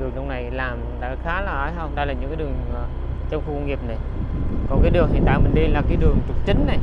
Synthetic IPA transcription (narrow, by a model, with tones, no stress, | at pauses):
ɗɨ˨˩əŋɗə˧wŋ͡mna˨˩jlaː˨˩mɗa̰ː˧˥xaː˨˦laː˨˩ʔaː˧˦jɦə˧wŋ͡mɗa˧jlaː˨˩ɲɨ̰˧˥kaː˨˦ɗɨ˨˩əŋ˨˩ | t͡ɕə˧wŋ͡mxu˧kə˧wŋi˨˩əp̚na˨˩jkɔ˨˩nkaː˨˦jɗɨ˨˩əŋhḭ˧˨nt̪a̰ː˧˨jmï˨˩ŋ̟ɗi˧laː˨˩kaː˨˦jɗɨ˨˩əŋt͡ɕʊ˨˩k͡p̚t͡ɕï˨˦ŋ̟na˨˩j